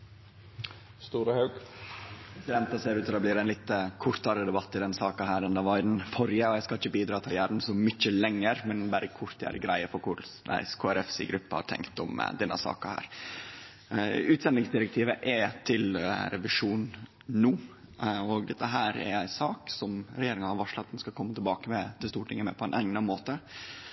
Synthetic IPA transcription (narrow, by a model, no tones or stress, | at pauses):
st̪uːɾəhɑʉɡpʰɾɛsɪd̪ɛnt̪ɑseːɾʉːt̪d̪ɛbliːɾæɪnlɪt̪ːkʰʊɾt̪ɑɾəd̪ɛbɑt̪ːɪd̪ɛnsɑːkɑhæːɾɛnd̪əʋɑɾɪd̪n̩fɔɾjəɔjæɪskɑlɪçəbiːd̪ɾɑːt̪ʰɪljæːɾn̩sɔmʏt͡ʃːəlɛŋːəɾmɛnbæɾəkʰʊɾt̪æ̰ːɾɡɾæɪəfɔɾkʰʊd̪æ̰ɪskʰoːæɾɛfsḭɡɾʉpːəhɑ̰ɾʈ̪ʰɛ̰ŋkt̪ɔ̰m̰d̪ɛnːə̰sɑ̰ːkɑhæ̰ːɾ | ʉːt̪sɛnd̪ɪŋsd̪ɪɾək̚t̪ʰiːʋəʔɛt̪ʰɪlɾɛʋɪʂuːnː | uː | ɔɡd̪ɛt̪ːəɦæːɾɛ̰ɾæɪsɑːksɔmɾɛjeːɾɪŋənhɑɾʋɑʂlət̪nskɑkʰɔmːət̪ʰɪlbɑːkəmɛt̪ʰɪlst̪uːʈʰɪŋːəmɛ̰pʰɔɛnʔɛŋnɑmoːt̪ə